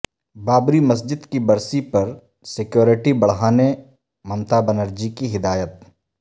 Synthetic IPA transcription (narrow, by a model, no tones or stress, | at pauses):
baːbɾimɐs̬d͡ʒɪd̪kibɐɾsipɐɾ | sɪkjoːɾɪʈibɐɽ̤ɦaːne | mɐmt̪aːbɐnəɾd͡ʒikiɦɪd̪aːjət̪̚